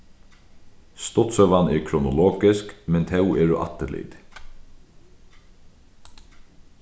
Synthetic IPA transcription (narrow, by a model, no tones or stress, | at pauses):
st̪ʊt̪sœʋanɛɹkʰɾʊnʊlɔːkɪskmɛnt̪ʰɛwɛːɾʊ̰ʔa̰t̪ːəlɪ̰t̪